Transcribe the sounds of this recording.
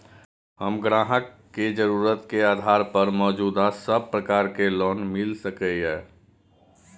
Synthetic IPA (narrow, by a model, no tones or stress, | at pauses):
həmɡɾaːɦəkːed͡ʒəɾuːɾət̪keaːd̪ʱaːɾpəɾmɔːd͡ʒuːd̪asəb̚pɾəkaːɾkelɔːnmɪlsəkəɦɛː